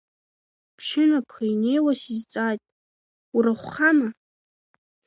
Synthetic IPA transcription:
pʰʃɪnapʰχajnejwasizt͡sʼajtʼ | uɾaχʷχama

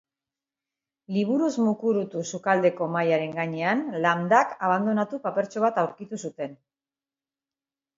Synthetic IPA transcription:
liβ̞uɾuzmukuɾut̪usukald̪e̞ko̞majaɾe̞ŋɡaɲe̞anland̪akaβ̞and̪o̞nat̪upape̞ɾt͡ʃo̞β̞at̪awɾkit̪usut̪e̞n

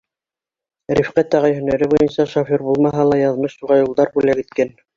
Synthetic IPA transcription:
ɾifqæt̪æʁɑjhɵ̆næɾɘbujɤnsɑʃofoɾbulˠmɑɦɑlˠɑjɑðmɤʃt̪uʁɑjulˠd̪ɑɾbulækɘ̆t̪̚kæn

